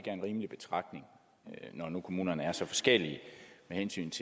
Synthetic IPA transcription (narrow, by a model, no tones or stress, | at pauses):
ɡ̥æɐenʁiːməlib̥e̝t͡sʰʁɑ̈ɡ̥ne̝ŋ | nɒnukʰo̝muːnɐnəæɐsɒ̽fɒ̽sɡ̥el̰iəmehensy̰ːnt͡sʰe